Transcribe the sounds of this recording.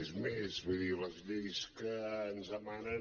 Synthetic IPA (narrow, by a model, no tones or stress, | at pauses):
ezmezβujðiləzʎejskəːnzəmanə